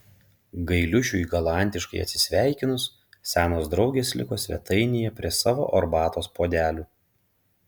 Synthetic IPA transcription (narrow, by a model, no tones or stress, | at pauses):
ɡɐɪlʲʊʃʲuːiːɡɐlˠɑˑnʲt̪ʲɪʃkɐɪɐ̰t̪ʲsʲɪ̥sʲʋʲæˑɪkʲɪnʊs | sʲæːnoːsd̪ɾɒʊɡʲeːslʲɪ̰koːsʲʋʲɛ̰t̪ʰɐɪnʲɪjɛpʲɾʲiɛsɑːʋo̰ːʔɔɾbɑːt̪oːspoːd̪ʲæːlʲuː